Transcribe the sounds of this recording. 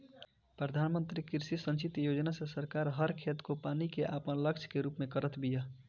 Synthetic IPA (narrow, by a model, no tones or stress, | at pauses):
pɾəd̪ʱaːnmə̃nt̪ɾikɪɾsisə̃nt͡ʃit̪jod͡ʒnasesəɾkaːɾɦəɾkʰet̪kopaːnikeʔaːpənləkt͡ʃʰkeɾuːpmẽkəɾət̪ʰbija